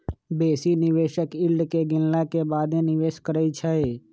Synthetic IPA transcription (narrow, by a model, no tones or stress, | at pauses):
beːsinɪʋeːʃəkɪlɖkeɡɪnlakebaːd̪ẽnɪʋeːʃkəɾəit͡ʃʰəe